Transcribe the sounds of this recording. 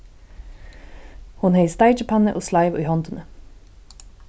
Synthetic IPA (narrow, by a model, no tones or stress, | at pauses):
hʊnheɪst̪æɪd͡ʒəpʰhɑnə̰ʔoːslɑɪʋʉ̰ːhɑnt̪ənʔə